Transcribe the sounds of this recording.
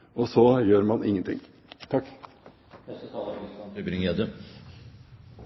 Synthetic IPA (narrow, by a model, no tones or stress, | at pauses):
ɔsɔjøːɾmɑnɪ̰ŋːənt̪ɪ̰ŋː | t̪ʰɑkː | bɾɪŋəjæd̪ə